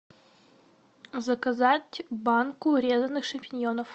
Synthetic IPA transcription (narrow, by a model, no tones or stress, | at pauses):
zɐkɐzatʲbankʊɾʲezɐnːɨxʂɐmʲpʲɪnʲjonəf